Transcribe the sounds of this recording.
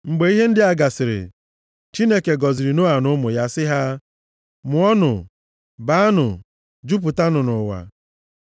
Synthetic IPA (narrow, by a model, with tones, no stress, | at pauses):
ŋ͡m̩˨ɡ͡be˨˦i˦ɦe˦n̩˦dɪ˦a˦ɡa˨sɪ˨ɾɪ̰˨ | t͡ʃi˦ne˦ke˨ɡɔ˨zi˨ɾi˨no˦a˨nʊ˦mʊ˨ja˦sɪ˦ɦa˦ | mʊ˨˦ɔ˦nʊ̰˨ | ba˨˦nʊ̰˨ | d͡ʒu˦p̬u˨ta˦nʊ˨nʊ˨wa̰˨